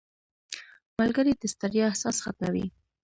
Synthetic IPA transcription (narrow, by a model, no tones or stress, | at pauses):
malɡaɾit̪ast̪aɾjɑahsɑsxat̪nawḭ